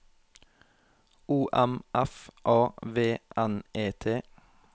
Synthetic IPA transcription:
uːʔæmʔæfʔɑːʋeːʔæneːt̪ʰeː

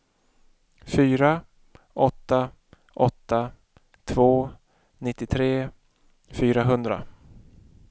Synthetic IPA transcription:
fyːɾa | ʔɔt̪ːa | ʔɔt̪ːa | t̪ʰvoː | nɪt̪ːɪt̪ʰɾeː | fyːɾaɦɵnd̪ɾa̰

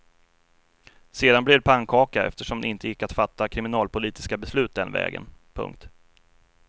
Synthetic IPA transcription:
seːd̪anblɪd̪pʰaŋkʰɑːkaɛ̰ft̪əʂɔmd̪ɛɪnt̪əjɪkːat̪fat̪ːakʰɾɪmɪnɑːlpʊliːt̪ɪ̥skabɛslʉ̟ːt̪̚d̪ɛnvɛ̰ːɡə̰npʰɵ̰ŋk̚t̪

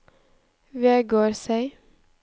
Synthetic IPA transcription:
ʋeːɡoːɾsæɪ

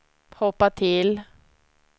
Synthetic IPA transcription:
hɔpːat̪ʰɪl

